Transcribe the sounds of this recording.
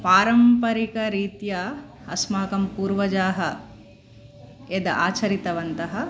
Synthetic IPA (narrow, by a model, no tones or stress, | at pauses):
paːɾɐmpɐɾikɐɾiːt̪jɐ | ɐsmaːkɐmpuːɾʋɐd͡ʒaːɦɐ | ed̪ɐʔa̰ːt͡ʃɐɾit̪ɐʋɐnt̪ɐɦɐ